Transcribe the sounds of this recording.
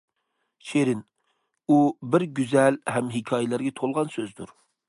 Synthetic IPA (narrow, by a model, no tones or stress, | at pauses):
ʃeɾɪn | ubɪɾɡʲyzɛlɦɛmɦɪkʲʰɑːjɪlæɾɡʲɛt̪ʰolˠʁɑnsøzd̪ṵɾ